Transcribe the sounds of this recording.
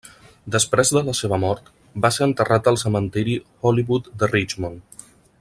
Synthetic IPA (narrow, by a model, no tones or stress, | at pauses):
d̪əspɾezðələseβ̞əmɔɾt̪ | baseɾənt̪ərʔat̪əlˠsəmənt̪iɾixɔliβut̪d̪ərit͡ʃmon